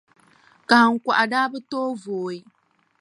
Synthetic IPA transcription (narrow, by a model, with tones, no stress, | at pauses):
ka˨hŋ̩˨kʷa̰˨ʔa˨daː˦bɨ˦toː˦voː˨i˦